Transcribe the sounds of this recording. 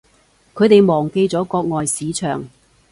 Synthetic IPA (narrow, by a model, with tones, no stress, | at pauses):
kʰɵ˨˧t̪e˨jmɔː˨˩ŋke˧jt͡sɔː˨˥kɔː˧k̚ŋɔː˨jsiː˨˥t͡ʃʰœː˨˩ŋ